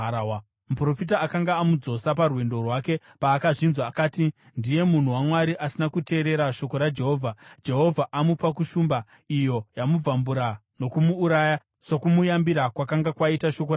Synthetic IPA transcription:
mupro̞fit̬aːkaŋɡaːmud͡zo̞saparwe̞ndo̞rwake̞ | paːkaʐinzwaːkaːti | ndije̞mun̤uwamwaɾiʔasinakute̞ːɾe̞ɾaʃo̞ko̞ɾad͡ʒe̞ɦo̞ːvʱad͡ʒe̞ɦo̞vʱaʔamupak̬uʃuːmba | ijo̞jamub͡vambuɾa | no̞kumuːɾaja | sokumujambiɾakwakaŋɡakwaitaʃo̞k̬o

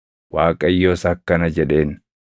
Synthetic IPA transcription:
waːkʼɐjːoːsɐːkːɐnɐd͡ʒɛᶑe̞ːn

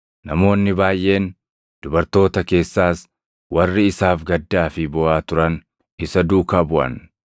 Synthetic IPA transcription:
nɐmo̞ːnːɪbaːjʔe̞ːn | d̪̥ʊbɐɾt̪o̞ːt̪ɐke̞ːsːaːs | wɐrːɪɪsaːfɡɐd̪ːaːfɪbɔʔaːt̪ʊɾɐn | ɪsɐd̪uːkaːbʊʔɐ̰n

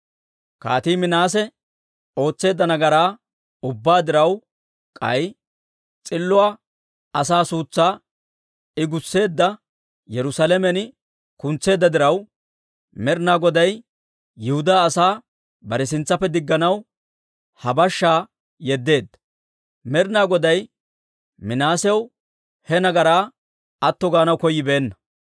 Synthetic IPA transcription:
ka̰ːt̪iːmɪnaːs̬ɛ | o̞ːt͡sːe̞ːd̪ːɐnɐɡɐɾaː | ʊbːaːd̪ɪɾɐw | kʼɐ̰j | t͡sʼɪlːʊa | ɐsaːsuːt͡sːaː | ɪɡʊsːe̞ːd̪ːɐ | jɛɾʊsalɛmɛn | kʊnt͡sːe̞ːd̪ːɐd̪ɪɾɐw | mɛɾnaːɡɔd̪ɐj | jɪhʊd̪aːsaː | bɐɾɛs̬ɪnt͡sːɐpːɛd̪ɪɡːɐnɐw | hɐbɐʃːaː | jɛd̪ːe̞ːd̪ːɐ̥ | mɛɾnaːɡɔd̪ɐj | mɪnaːsɛw | hɛnɐɡɐɾaː | ɐt̪ːɔɡaːnɐwkɔjːɪbe̞ːnːɐ̥

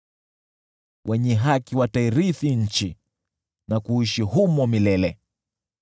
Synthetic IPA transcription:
wʔɛɲɛɦakiwataiɾiθiɲ̩t͡ʃi | nakuiʃihumɔmilɛlɛ

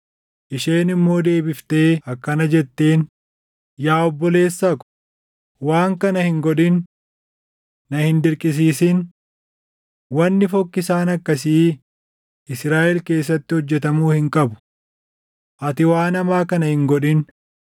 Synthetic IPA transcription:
ʔɪʃeːnɪmːo̞ːd̪e̞ːbɪft̪e̞ːɐkːɐnɐd͡ʒɛt̪ːe̞ːn | jaːɔbːɔle̞ːsːaːkʊ̥ | waːŋkɐnɐhɪŋɡɔᶑɪn | ɐhɪnd̪ɪɾkʼɪs̬iːsɪn | wɐnːɪfɔkːɪsaːnɐkːɐsiː | ɪsɾaːʔɛlke̞ːsːɐt̪ːɪhɔd͡ʒːɛt̪ɐmuːhɪŋkʼɐbʊ̥ | ʔɐt̪ɪwaːnɐmaːkɐnɐhɪŋɡɔᶑɪn

